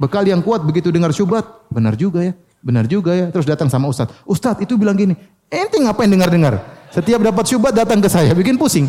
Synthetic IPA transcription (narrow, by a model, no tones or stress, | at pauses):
bəkalijaŋkuat̪̚bəɡit̪udəŋarʃubat̪̚bəna̰rd͡ʒuɡaja | bənard͡ʒuɡajat̪əɾʊs̬dat̪aŋsamaust̪at̪̚ust̪at̪it̪ubilaŋɡini | ɛnt̪ɪŋapajaŋdəŋardəŋarsət̪iap̚dapat̪̚ʃubat̪̚dat̪aŋkəsajabikɪnpusɪŋ